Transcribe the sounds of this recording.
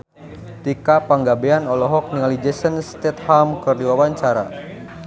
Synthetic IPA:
t̪ikapaŋɡabeanɔlɔɦɔk̚niŋalid͡ʒɛsənst̪ɛt̪̚hamkɨrdiwawaɲt͡ʃaɾa̰

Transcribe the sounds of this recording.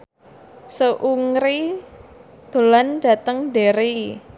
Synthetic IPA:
səʔuŋɾi | d̪̥o̤lanɖä̤t̪əŋɖeɾi

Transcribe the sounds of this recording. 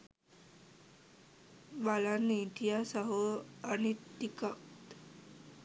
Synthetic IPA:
balanit̪ijasaɦoañit̪ikakt̪

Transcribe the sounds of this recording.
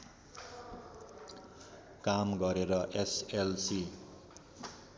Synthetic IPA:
kamɡʌɾeɾʌʔeselsi

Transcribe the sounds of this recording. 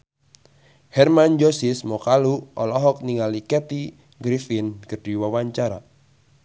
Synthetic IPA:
hɛrmand͡ʒosɪsmɔkaluɔlɔɦɔk̚niŋalikɛt̪i | ɡɾifɪnkərd̥iwawaɲt͡ʃaɾa̰

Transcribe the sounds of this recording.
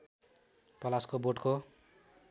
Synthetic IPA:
pʌlaskoboʈko

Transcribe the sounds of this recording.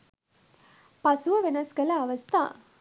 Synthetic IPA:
pɐsʊʋɐʋɪnɐskɐlɐːʋɐst̪ʰa̰ː

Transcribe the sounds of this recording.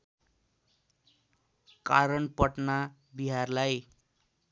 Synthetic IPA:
kaɾʌnpʌʈnabiɦarlaj

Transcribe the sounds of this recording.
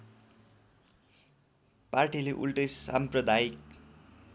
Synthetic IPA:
parʈileʔṵlʈʌjsa̰mprʌd̪ʱaik̚

